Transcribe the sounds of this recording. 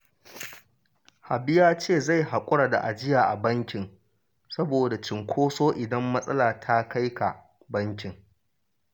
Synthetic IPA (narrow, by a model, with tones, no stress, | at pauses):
ha˨bɪ˦jaː˦t͡ʃeː˦˨za˦˨jɦa˨kʷʼʊ˦ɽaː˨da̰˨ʔa˨d͡ʒɪ˦jaː˨ʔa˨bɐ˦ŋkʲɪ˨ŋ | sɐ˦boː˨da˨t͡ʃɪ˨ŋkʷʰoː˦soː˦ʔɪ˨dɐ˦mːɐ˦sʼɐ˦laː˨tʰa˦ka˦jka̰˨ | bɐ˦ŋkʲɪ˨ŋ